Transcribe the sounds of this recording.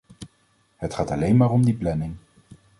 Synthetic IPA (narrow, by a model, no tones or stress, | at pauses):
hətχaːtɑlejnmaːrɔmdiplɛnɪŋ